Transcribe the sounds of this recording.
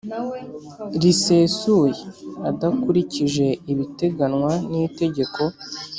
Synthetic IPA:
ɾise̞ːsujeadakuɾiciʒe̞iβite̞ɡanŋwanite̞ɟe̞ko̞

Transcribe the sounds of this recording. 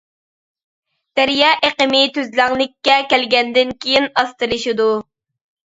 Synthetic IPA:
d̪̥æɾjɑːʔeqəmɪt̪ʰøzlæŋlˠɪkʲːɛkʲælɡʲɛnd̪ɪnkʲʰejinɑst̪ɨlˠɨʃid̪u

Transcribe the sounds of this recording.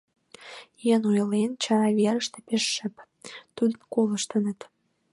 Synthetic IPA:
jenojlent͡ɕɑɾɑβeɾəʃt̪epeʃːə̆p | t̪ud̪əkoləʃt̪ənət̪

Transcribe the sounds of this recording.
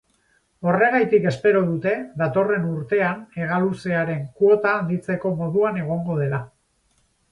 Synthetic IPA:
o̞re̞ɣ̞ajt̪ike̞spe̞ɾo̞ð̞ut̪e̞ðat̪o̞re̞nuɾt̪e̞ane̞ɣ̞aluseaɾe̞ŋkuo̞t̪aːnd̪it͡se̞ko̞mo̞ðuane̞ɣ̞o̞ŋɡo̞ð̞e̞la

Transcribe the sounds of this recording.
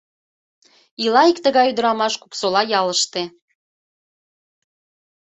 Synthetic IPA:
ilɑikt̪əɣɑjyd̪əɾɑmɑʃkuksolɑjɑləʃt̪e

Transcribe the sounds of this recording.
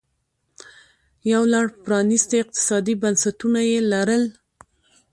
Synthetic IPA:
jawlaɽpɾɑnɪst̪eɪq̚t̪ɪ̥sɑd̪ibansat̪unajelaɾəl

